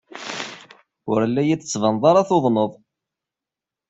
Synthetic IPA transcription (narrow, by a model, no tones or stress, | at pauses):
ʊɾlːæjid̪ət͡sːvənðˤɑɾˤɑθoðˤnəðˤ